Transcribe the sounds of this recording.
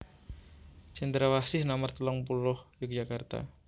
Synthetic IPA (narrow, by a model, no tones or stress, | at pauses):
t͡ʃɛnd̪ɾawasɪhnamart̪əlɔŋpulʊhjək̚d͡ʒakart̪a̰